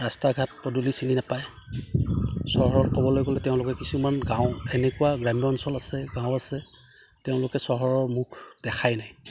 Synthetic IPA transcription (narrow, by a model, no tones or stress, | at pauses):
ɹastaɡʱat̚pɔdulisininapaj | sɔɦɔɹɔtkɔbɔlojɡɔlɛteʊ̃lʊkɛkisumanɡãʊ̃ɛnɛkuwaɡɹamijɔːnsɔlasɛɡãwʊ̃asɛ | teʊ̃lʊkɛsɔɦɔɹɔɹmukʰd̥ɛxʰajnaj